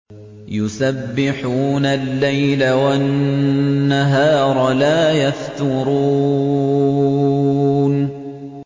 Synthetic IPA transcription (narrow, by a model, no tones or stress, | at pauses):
jʊsabːɪħuːnalːajlawanː | aɦɑːɾˤlaːjaft̪ʊɾuː | n